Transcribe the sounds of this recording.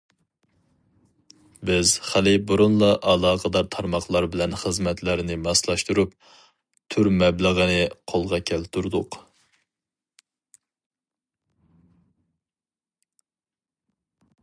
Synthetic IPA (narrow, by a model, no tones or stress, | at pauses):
bɪz̥χælɪbuɾunlˠɑʔɑlˠɑːqʰəd̪ɑɾt̪ʰɑɾmɑχlˠɑɾbɪlɛnχəzmɛt̪ʰlæɾnɪmɑslˠɑʃt̪uɾup̚ | t̪ʰyɾmɛbləʁənɪqʰolˠʁɑkʲʰɛlt̪ʰuɾd̪ʊq